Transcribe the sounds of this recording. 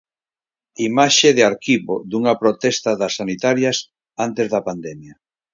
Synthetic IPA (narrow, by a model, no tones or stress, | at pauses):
imaʃeðɪaɾkiβod̪uŋɐpɾot̪ɛst̪ɐðɐsːanit̪aɾjas | ant̪ezðɐpand̪ɛmjɐ